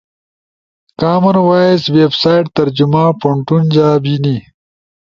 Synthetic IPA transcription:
kaːmɐɾwaːesweːbsaːjʈ̚t̪ɐɾd͡ʑumaːpoɳʈund͡ʑaːbini

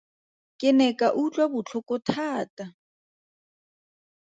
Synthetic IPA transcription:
kʼɪnɛkaʔut͡ɬʼwabʊt͡ɬʰʊkʊtʰaːtʼa

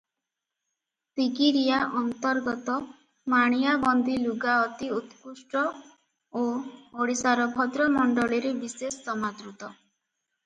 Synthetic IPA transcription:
t̪iɡiɾijaʔɔnt̪ɔɾɡɔt̪ɔ | maɽ̃ijabɔnd̪iluɡaɔt̪iut̪kusʈɔ | ooɽisaɾɔbʱɔd̪ɾɔmɔɳɖɔɭiɾebisesːɔmad̪ɾut̪ɔ

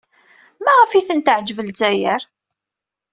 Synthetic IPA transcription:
mæʁəfiθənt̪ʕd͡ʒvəlzæjəɾ

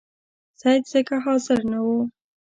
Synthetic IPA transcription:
sad̪zəkaɦɑsɪɾnawu

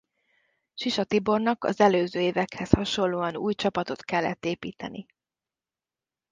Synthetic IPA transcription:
ʃiʃɒt̪ibo̞rnɒkɒ̰zɛløːzøːeːvɛkhɛshɒʃo̞llːoːɒnṵːjt͡ʃɒpɒt̪o̞t̪kɛlːɛt̪ːeːpiːt̪ɛ̰ni

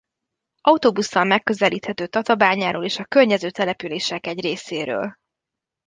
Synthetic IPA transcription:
ʔɒut̪oːbusːɒlmɛkːø̞zɛliːt̪hɛt̪øːt̪ɒt̪ɒbaːɲaːɾoːleːʃɒkørɲɛzøːt̪ɛlɛpyleːʃɛkɛɟreːseːɾø̰ːl

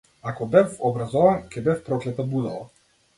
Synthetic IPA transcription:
akɔbɛfɔbɾazɔvankʲɛbɛfpɾɔklɛt̪abud̪ɔlˠa

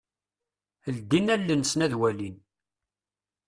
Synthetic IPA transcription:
əld̪inælːənsnæðwælin

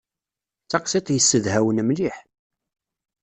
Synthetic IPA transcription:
t͡sːɑqsit̪ˤjəsːəðhæwənmliħ

